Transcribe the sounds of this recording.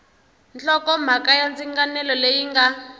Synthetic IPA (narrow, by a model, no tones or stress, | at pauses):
nt͡ɬɔkɔm̤akajand͡ziŋɡanɛlɔlejiŋɡa